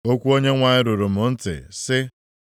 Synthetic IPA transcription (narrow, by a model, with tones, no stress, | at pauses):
o˦kʷu˦o˦ɲe˦ŋʷa˨ɲɪ˦ɾʊ˨ɾʊ˨mʊ˨n̩˦tɪ̰˨sɪ˦